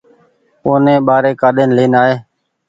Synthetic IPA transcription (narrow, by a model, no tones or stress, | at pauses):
oːnẽːɓaːɾeːkaːɗeːnleːnaːɦeː